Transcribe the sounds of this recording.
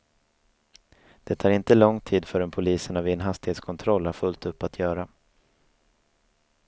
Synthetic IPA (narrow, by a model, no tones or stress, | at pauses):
d̪̥ɛt̪ʰɑːɾɪnt̪əlɔŋt̪ʰiːd̪fœɾɛnpʰʊliːsənavɪɛnɦast̪ɪheːt̪skʰɔnt̪ʰɾɔlːæɾfɵlt̪ɵpːat̪ʰjœːɾa